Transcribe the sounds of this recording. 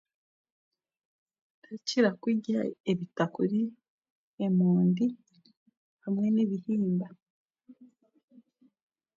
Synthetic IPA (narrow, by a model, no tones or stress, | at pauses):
aciɾakwiɟaeβitakuɾi | emuːndi | hamwe̞neβihiːmba